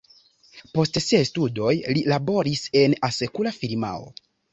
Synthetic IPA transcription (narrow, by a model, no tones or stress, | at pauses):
po̞stsiajstudo̞jlilabo̞ɾise̞nase̞kulafiɾma̰o̞̰